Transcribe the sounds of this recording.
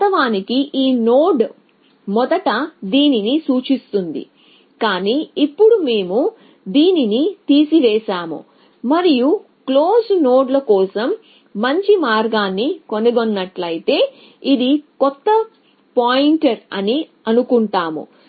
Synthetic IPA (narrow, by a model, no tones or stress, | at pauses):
t̪ɐʋaːnikiʔiːnoːɖ | mɔd̪ɐʈɐd̪iːninisuːt͡ʃist̪und̪ḭ | kaːniːipːuɽume̞ːmu | d̪iːninit̪iːsiʋɛːʃaːmṵ | mɐɾiju | klo̞ːsno̞ːɖlɐkɔːsɐmː | ɐɲt͡ʃimaːɾɡaːnːikoniɡonːɐʈlɐjit̪e̞ː | id̪ikɔt̪ːɐ | paːjiɳʈɐɾɐni | ɐnukuɳʈaːmṵ